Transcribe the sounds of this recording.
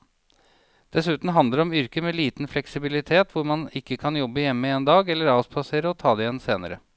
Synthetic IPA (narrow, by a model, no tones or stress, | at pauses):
d̪̥ɛsʉːt̪n̩ɦɑnd̪ləɾɔmʏɾkəmɛliːt̪nflɛksɪbɪlɪt̪ʰeːt̪ʰʋʊɾmɑnɪkːəkʰɑnjɔbːəjɛmːəeːnd̪ɑːɡɛlːəɾɑːspʰɑseːɾəɔt̪ʰɑːd̪ɛɪjɛnːseːnəɾə̰